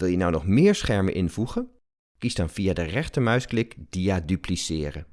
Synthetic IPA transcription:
ʋɪlˠjənɔwnɔχmɪːɹsχɛɹmə̰nʔɪnvuχən | kisdɑnv̥iadərɛχtəmœɥsklɪkd̥iadyplisɪːrə

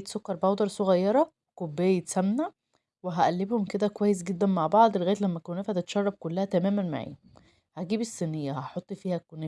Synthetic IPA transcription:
t̪sokːɑɾˤbhɑwd̪ˤɑɾˤsˤoɣɑjːɑɾˤɑ | kobːejːet̪sæmnæ | weɦæʔælːebhomked̪ækowæjːes̬ɡed̪ːænmaʕbɑʕd̪ˤelɣæːt̪læmːækonæːfhæt̪et̪ʃɑrˤːɑb̚kolːæhæt̪æmæːmænma̰ʕḭː | hæɡiːbesːenːejːæhɑħot̪ˤːfiːhækone

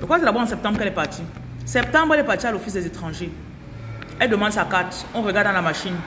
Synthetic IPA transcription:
lokwatelabwaɑ̃sɛp̚t̪ɑ̃mbʁkɛlɛpaʁtʰi | sɛp̚t̪ɑ̃mbʁɛlɛpaʁt̪ialofis̬dɛzetχɑ̃ʒe | ɛldəmɑ̃dsakatɔ̃ʁəɡaʁdãlamaʃin

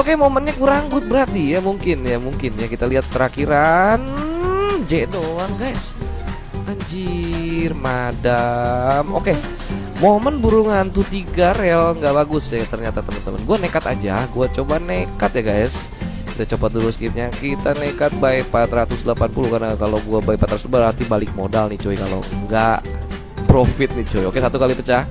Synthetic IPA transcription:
okemomənɲakuɾaŋɡʊt̪̚bəɾart̪ijamuŋkɪnjamuŋkɪnjakit̪aliɦat̪ːəɾakiɾan | d͡ʒedoaŋɡajs | aɲd͡ʒirmadamoke | momənbuɾuŋant̪ut̪iɡaralŋɡabaɡʊsat̪ərɲat̪at̪əmənt̪əmə̰nɡuanekat̪ad͡ʒahɡuat͡ʃobanekat̪̚jaɡajs | kid̪at͡ʃopat̪̚duɾʊskitɲakit̪anekat̪̚baipat̪rat̪usdəlapanpuluhkarnakaloɡuabaipat̪ɾat̪sbaɦat̪ibalɪk̚modalnit͡ʃoikalo̰ŋɡaʔ | pɾofɪt̪̚nit͡ʃoiokesat̪ukalipət͡ʃah

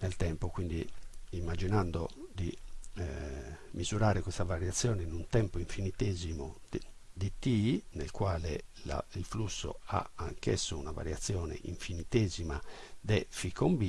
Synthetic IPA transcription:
nelt̪ɛmpokwind̪iimːad͡ʒinand̪o̰d̪i | mizuɾaːɾekwist̪avaɾjat̪sːjɔːnenunt̪ɛmpoiɱfinit̪ezimo | d̪it̪iːnelkwaːlela̰ilflusːo̰a̰a̰ŋkɛsːounava̰ɾjat̪sːjɔːnḛʔḭɱfinit̪eːzimad̪ɛfikːombi

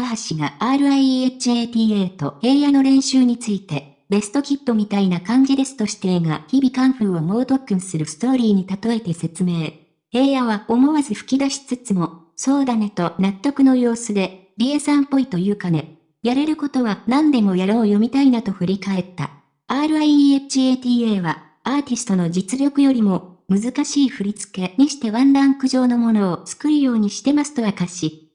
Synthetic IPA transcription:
aɦaɕiɡaaːɾɯ̟aiet͡ɕieːt̪ʲiːeːt̪o̞̰he̞ːjano̞ɾẽ̞ɰ̃ɕɨːɲ̟it͡sɨit̪e̞ | be̞sɨ̥t̪o̞kʲipːo̞mʲit̪ainakãŋɡʲid̪e̞sɨ̥t̪o̞ɕi̥t̪e̞ɡaçibʲikãɰ̃ɸɯ̟ːomo̞ːt̪o̞kːɯ̟̃ɰ̃sɨɾɯ̟sɨ̥t̪o̞ːɾʲiːɲ̟it̪at̪o̞e̞t̪e̞se̞t͡sɨme̞ː | he̞ːjaβao̞mo̞βazɨɸɯ̥kʲid̪aɕi̥t͡sɨt͡sɨmo̞ | so̞ːd̪ane̞t̪o̞nat̪ːo̞kɯ̟no̞jo̞ːsɨd̪e̞ | ɾʲiesãmpːo̞it̪o̞jɯ̟ːkane̞ | jaɾe̞ɾɯ̟ko̞t̪o̞βanãnd̪e̞mo̞jaɾo̞ːjo̞mʲit̪ainat̪o̞ɸɯ̟ɾʲikae̞t̪ːa̰ | aːɾɯ̟aieɯ̥t͡ɕieːt̪ʲiːeːβa | aːt̪ʲisɨ̥t̪o̞no̞d͡ʑit͡sɨɾʲo̞kɯ̟jo̞ɾʲimo̞ | mɯ̟zɨkaɕiːɸɯ̟ɾʲit͡sɨ̥ke̞ɲ̟iɕi̥t̪e̞βãnɾãŋkɯ̟ʑo̞ːno̞mo̞no̞ːt͡sɨ̥kɯ̟ɾɯ̟jo̞ːɲ̟iɕi̥t̪e̞masɨ̥t̪o̞jakaɕi

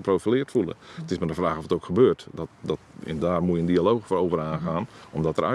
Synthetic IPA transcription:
proːfilɪərtfulˠə̰tɪsmədəfraːxɔfətowkxəbøːrtdɔtdɔtɛ̰ndaːrmujəndialowxfoːɾowvəraːnxaːnɔmdɔtəɾœ̰

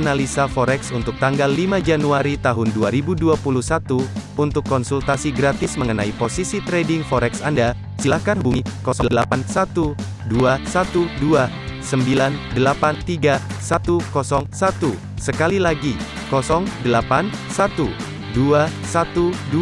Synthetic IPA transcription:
analisafɔɾɛksunt̪ʊk̚t̪aŋɡalːimad͡ʒanuaɾit̪aɦʊnduaɾibuduapuluhsat̪uunt̪ʊkːɔnsult̪asiɡɾat̪ɪsməŋənaiposisit̪ɾedɪŋfɔɾɛksanda | silahkanbukɔsɔdəlapansat̪u | duasat̪udua | səmbilandəlapant̪iɡasat̪ukɔsɔŋsat̪u | səkalilaɡi | kɔsɔŋdəlapansat̪u | duasat̪udu

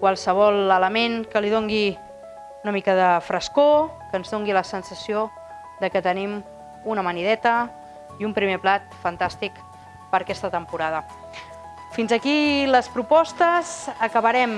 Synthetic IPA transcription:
kwalˠsəβ̞ɔlˠələmeŋkəliðoŋɡi | unəmikəðəfɾʔəskokənzðoŋɡiləsənsəsio | ðəkət̪ənim | unəməniðɛt̪ə | iumpɾimeplat̪fənt̪ast̪ik | pəɾkɛst̪ət̪əmpuɾaðə | finzəkiləspɾupɔst̪əzəkəβəɾɛm

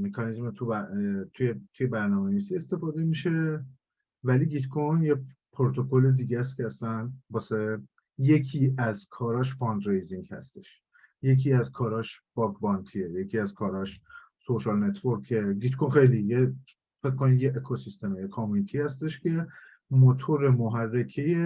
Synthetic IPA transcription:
mekʰɒnizmet̪ʰubæt̪ʰujet̪ʰuje̞bæɾnɒːmeniːsiest̪e̞fɒːd̪e̞miʃe̞ | væliɡit̪kʰonjepʰɾot̪ʰo̞ko̞led̪iːɟæs̬cʰʲeæsænbɒːse | je̞cʰiːæzkʰɒːɾɒːʃfɒnd̪ɾejziŋɡhæ̰st̪e̞ʃ | je̞cʰiːæzkʰɒːɾɒːʃb̥ɒɡbɒnt̪ʰieje̞cʰiːæzkʰɒːɾɒːʃ | soʃɒlne̞t̪ʰvoɾkʰːeɡit̪kʰonxe̞jlije | fec̚ko̞nijeʔːkʰosist̪e̞mejekʰɒmunit̪ʰihæst̪e̞ʃcʰe̞ | mot̪ʰoɾemoɦærːecʰeje

